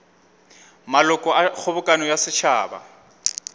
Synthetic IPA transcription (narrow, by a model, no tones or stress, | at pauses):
malʊkʼɔak͡xʰʊbʊkʼanɔjasɪt͡ʃʰaːba̰